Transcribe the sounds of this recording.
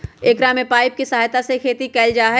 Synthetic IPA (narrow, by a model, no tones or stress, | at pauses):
eːkɾaːmepaːɪp̚kisɐɦaːjt̪asekʰeːt̪ikɛːld͡ʒaːɦɛ